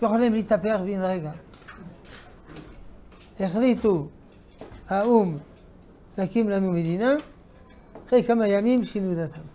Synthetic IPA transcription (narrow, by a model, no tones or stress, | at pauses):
jeχolimlit̪apeaχbiinʁeɡa | eχlit̪u | haum | lakimlanumed̪ina | χejkamajamimʃinud̪at̪am